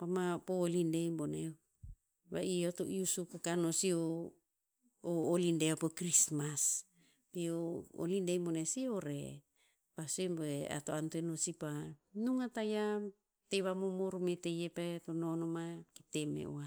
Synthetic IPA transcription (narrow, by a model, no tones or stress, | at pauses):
pamapolindejmbone | βaiotoʔiusupokanosio | oːlindeopokɾismas | peoo̰lindejmbonesioɾe | pasemboea̰toantuenosipanuŋataja | teβamomoɾumetejepatononomakitemḛʔo̰a